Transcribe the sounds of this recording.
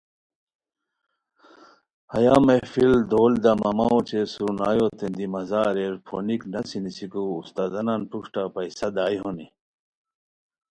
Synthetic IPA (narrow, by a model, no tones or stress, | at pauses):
hɐjaːmefild̪oːld̪ɐmɐmaot͡ɕesuɾnaːjot̪end̪imɐzaːɾeɾpʰo̰niknɐsinisikuːst̪aːzɐnanpukʈapɐjsɐd̪aːjɦoni